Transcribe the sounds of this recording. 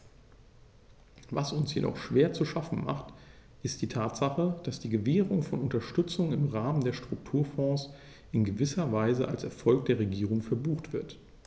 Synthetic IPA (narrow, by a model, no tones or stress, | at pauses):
vasʊnsjḛdɔ̰χʃv̥eːɐt͡suʃafn̩ma̰χt | ʔɪstd̥iːtʰaːtz̥aχəd̥asd̥iːɡəveːʁʊŋfɔnʊntɐʃtʏt͡sʊŋɪmʁaːməndeːɐʃtʁ̥ʊk̚tʰuːɐfɔ̃ːs | ʔɪnɡəvɪsɐvaɪzəʔalsɛɐfɔlk̚d̥eːɐʁeɡiːʁʊŋfɛɐbuːxtv̥ɪɐt